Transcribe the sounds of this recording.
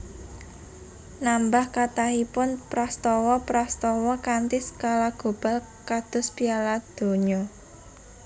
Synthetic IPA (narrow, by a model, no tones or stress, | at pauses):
nambahkat̪aɦipʊnpɾast̪ɔwɔpɾast̪ɔwɔkant̪ɪskalaɡ̥o̤b̥a̤l | kad̪̥ʊ̤spialad̪̥o̤ɲɔ